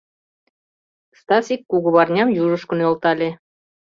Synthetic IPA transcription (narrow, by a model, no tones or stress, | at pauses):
st̪ɑsikːuɣɤ̆βɑrnʲɑmjuʒɤ̆ʃkɤ̆njŏlˠt̪ɑlʲe